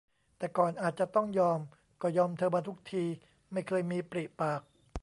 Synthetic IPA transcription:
t̪ɛː˨˩kɔː˨˩nʔaː˨˩t̪̚t͡ɕa˨˩t̪ɔ˥˩ŋjɔː˧m | kɔː˥˩jɔː˧mt̪ʰɤː˧ma˧t̪ʰu˦˥k̚t̪ʰiː˧ | ma˥˩jkʰɤː˧jmiː˧pɾi˨˩paː˨˩k̚

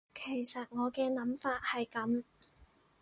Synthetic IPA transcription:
kʰe˨˩jsɐ˨t̚ŋɔː˨˧kɛː˧nɐ˨˥mfaː˧t̚hɐ˨jkɐ˨˥m

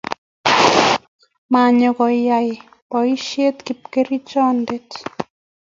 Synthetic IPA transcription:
ma˨ɲo˨kɔ˨ja˨j | pɔ˨i˦ʃje˦t̪ki˨p̚ke˦ɾi˦t͡ʃɔ˦nde˦t

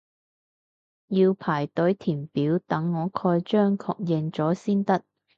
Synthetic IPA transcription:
jiː˧wpʰaː˨˩jt̪ɵ˨˥ɥt̪ʰiː˨˩mpiː˨˥wt̪ɐ˨˥ŋːɔː˨˧kʰɔː˧jt͡ʃœː˥ŋkʰɔː˧k̚jɛ˧ŋt͡sɔː˨˥siː˥nt̪ɐ˥t̚

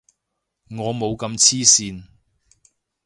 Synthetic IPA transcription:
ŋɔː˨˧mo˨˧wkɐ˧mt͡sʰiː˥siː˧n

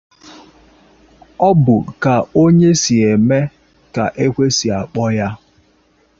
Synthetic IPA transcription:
ɔ˦bʊ˨ka˨o˦ɲe˦si˨e˨me˦ | ka˨ʔe˦kʷe˦si˨a˨k͡pɔ˦ja˦

